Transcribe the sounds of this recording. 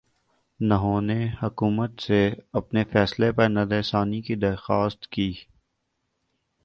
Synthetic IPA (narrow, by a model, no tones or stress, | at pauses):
nɐɦõːnehʊkuːmət̪seɐpnefɛːslepɐɾnɐd̪ɛːsaːnikid̪ɐɾxaːst̪kiː